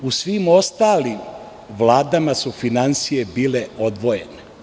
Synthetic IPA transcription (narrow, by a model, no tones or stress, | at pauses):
usʋimo̞st̪aːlim | ʋlaːd̪amasufinansije̞biːle̞o̞d̪ʋoje̞ne